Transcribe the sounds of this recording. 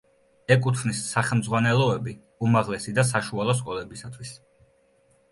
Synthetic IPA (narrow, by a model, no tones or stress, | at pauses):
ɛkʼut̪ʰvnisːaχɛmd̪zʁwanɛlˠɔɛbi | umaʁlɛsid̪as̬aʃualˠɔskʼɔlɛbisat̪ʰwis